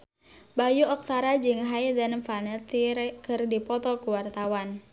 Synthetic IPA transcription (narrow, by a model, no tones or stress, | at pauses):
bajuɔk̚t̪aɾad͡ʒɨŋɦaidanfanɛt̪iɾkɨrdipɔt̪ɔkuwart̪awan